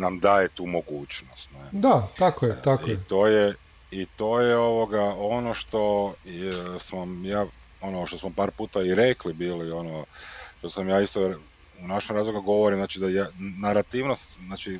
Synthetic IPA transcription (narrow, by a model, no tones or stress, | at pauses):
namd̪aːjet̪uːmoɡuːt͡ʃnost̪ned̪at̪akojɛakoit̪oːje | it̪oːjeo̞ʋoɡao̞noʃt̪o̞ | smomjaː | onoʃt̪osmopaːɾpuːt̪aiɾeklibiːlio̞noʃt̪osamjaːist̪o | unaʃemɾaːzlˠoɡuɡo̞ʋoɾimznaːt͡ʃid̪ajanaɾat̪iːʋnost̪znaːt͡ʃi